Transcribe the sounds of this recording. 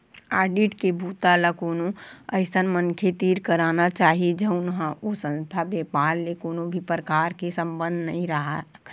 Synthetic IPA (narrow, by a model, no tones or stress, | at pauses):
aːɖiʈkebʱuːt̪alakoːnoəɪsənmənkʰet̪iːɾkəɾaːnat͡ʃaːɦied͡ʒəʊnɦãosə̃nst̪ʰabeːpaːɾlekoːnobʱipɾəkaːɾkesə̃mbə̃nd̪ʱnəɦĩɾəɦa